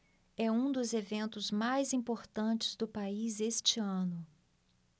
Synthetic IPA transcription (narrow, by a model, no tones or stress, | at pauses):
ɛũd̪ʊzevẽnt̪ʊzmajzĩpoɾt̪ɐ̃nt͡ʃɪ̥zd̪ʊpaizest͡ʃɪɐ̃nʊ